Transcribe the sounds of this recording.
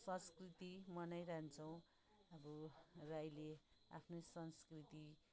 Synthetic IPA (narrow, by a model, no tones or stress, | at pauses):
sʌ̃nskrit̪imʌnajrant͡sʰʌw̃ | ʌbʌrajlea̰pʰnosʌnskrit̪i